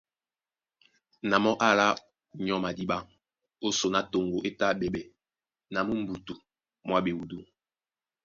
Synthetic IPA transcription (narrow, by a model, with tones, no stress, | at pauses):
na˨mɔ˦ʔa˦la˦ | ɲɔ˦ma˨di˦ɓa˦ŋ | o˦so˨na˨to˨ŋɡo˨ʔe˦ta˦ɓe˨ɓɛ˨ | na˨mu˦m̩˦bu˨tu˨ | mwa˦ɓe˨wu˨du˦